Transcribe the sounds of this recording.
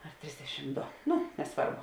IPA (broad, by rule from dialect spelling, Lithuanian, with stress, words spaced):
ɐr ˈtʲrʲɪzʲdʲɛʃʲɪm ˈdoː ˈnʊ nʲɛˈsʋɐrbʊ